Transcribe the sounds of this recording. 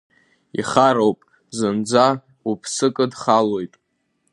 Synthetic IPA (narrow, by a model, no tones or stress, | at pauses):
ḭχaɾowpʼ | zɨnd͡za | upʰsɨkʼɨdχalo̞jtʼ